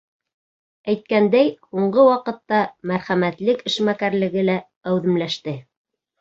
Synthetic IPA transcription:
æjt̪̚kænd̪æjhuɴɢɤwɑqɤ̆t̪ːɑmæɾχæmæt̪lɘkɘ̆ʃmækæɾlɘ̆ɡɘlæ | æwðɘ̆mlæʃt̪ɘ

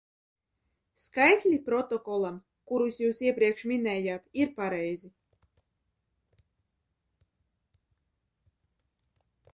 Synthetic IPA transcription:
skajt̪ʲlʲipɾɔt̪ɔkɔlˠam | kuɾusjuːsiɛpɾiɛkʃmʲinɛːjat̪iɾpaɾɛjzi

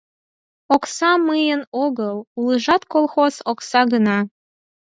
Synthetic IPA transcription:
oksɑmɨjənoɣɤlˠulˠəʒɑt̪kolˠxozoksɑɡənɑ

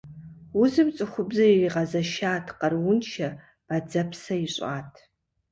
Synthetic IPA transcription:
ʊzɨmt͡sʼɨχʷʊbzɨiriʁɐzɐʃaːtʰqɐrwʊnʃɐ | b̥ad͡zɐpʰsɐiɕʼa̰ːtʰ

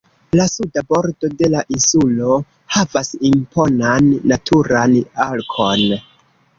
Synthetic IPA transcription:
lasudabo̞ɾdo̞de̞laʔinsulo̞ | havasimpo̞nanːatʰuɾanalkʰo̞n

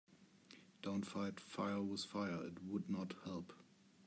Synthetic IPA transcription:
d̥õʊ̃ntfaɪtfaɪə˞wɪð̥faɪə˞ɪt̚wʊdⁿnəthɛlˠp

